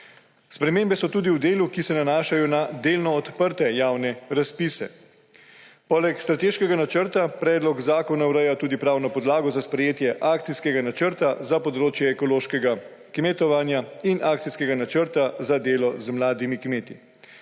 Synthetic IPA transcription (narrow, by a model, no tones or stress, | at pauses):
spɾɛmeːmbɛsɔt̪uːd̪iwd̪eːlukisɛnanaːʃajɔnad̪eːlnɔːt̪pəɾt̪ɛjaːwnɛɾaspisɛ̰ | pɔːlɛkst̪ɾat̪eːʃkɛɡanat͡ʃəɾt̪apɾɛːd̪lɔɡzaːkɔnawɾɛjat̪uːd̪ipɾaːwnɔpɔd̪laːɡɔzaspɾɛjeːt̪jɛʔaːkt̪siskɛɡanat͡ʃəɾt̪azapɔd̪ɾoːt͡ʃjɛːkɔloːʃkɛɡa | kmet̪ɔʋanjainʔaːkt̪siskɛɡanat͡ʃəɾt̪azad̪eːlɔzmlaːd̪imikmeːt̪i